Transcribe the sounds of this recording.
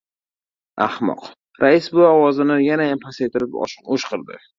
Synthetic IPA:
a̰hmɒ̰q | ɾaɪsbʊɒwɒzɪnɪjanajampʰasejt̪ɪɾɪpoʃqʰɨɾd̪ɪ̰

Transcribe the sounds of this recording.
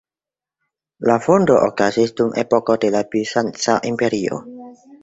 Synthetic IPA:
lafondoʔokazisdumʔḛpoko̞de̞labisant͡saʔimpe̞ɾio̰

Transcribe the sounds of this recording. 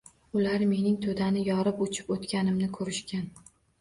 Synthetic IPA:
ʊlaɾme̞nɪŋt̪ʰod̪anɪjɒɾɪpʊt͡ʃʰɪ̥pot̪kʲanɪmnɪkʰɵɾɪʃkʲan

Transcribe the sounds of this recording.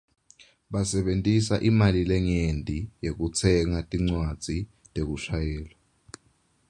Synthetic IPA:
ɓasɛɓentʼisaʔimalilɛŋendʱʼijek̬ut͡sʰɛŋatʼiŋ͡ǀwad̥d͡z̥ʱi | tʼek̬uʃajɛːlwa

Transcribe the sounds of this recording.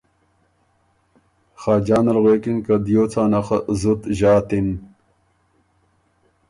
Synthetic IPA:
xaːd͡ʑaːnɐlɣwekinkɐd̪joːt͡sʰaːnɐxazut̪ʑaːt̪in

